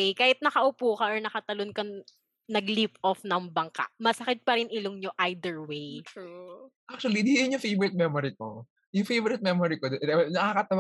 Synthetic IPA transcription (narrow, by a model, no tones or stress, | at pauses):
jkaːhɪt̪̚nɐkɐʔʊpuːkɐʔɔɹnɐkɐt̪ɐlonkɐ | nɐɡlip̚ʔofnɐŋbɐŋka̰ʔmɐsɐkɪt̪̚pɐɾɪnʔɪloŋɲoʔajd̪ɛɹwej | ʔak̚t͡ʃʊɐlid̪ijʊnjʊŋfejvɔɾɛt̪̚mɛmoɾiko̰ | jʊŋfejvɔɾɛt̪̚mɛmoɾikod̪oʔnɐkakɐt̪ɐwa